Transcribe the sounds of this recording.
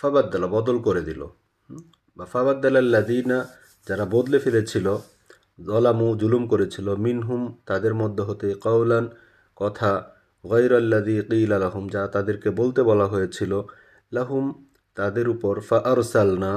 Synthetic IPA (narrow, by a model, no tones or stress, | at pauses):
fabad̪ːalabɔd̪olkoɾed̪ilo̰ | bafaβad̪ːalaalːad̪iːna | d͡ʑaɾabod̪lefelet͡ɕʰilo | zɔlamuzulumkoɾet͡ɕʰilominɦumt̪ad̪eɾmɔd̪ʱːeɦot̪eqawlan | kɔt̪ʰa | ɣajɾalːaðiːqiːlalaɦumd͡ʑaat̪ad̪eɾkebolt̪ebɔlaɦojet͡ɕʰilo | laɦum | t̪ad̪eɾupɔɾfaʔaɾsalna